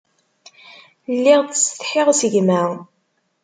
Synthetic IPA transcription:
lːɪʁt̪sθħɪʁsəʝmæ

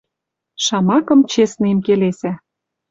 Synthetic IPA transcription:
ʃɑmɑkɤ̆mt͡ɕesnĕmkelesæ

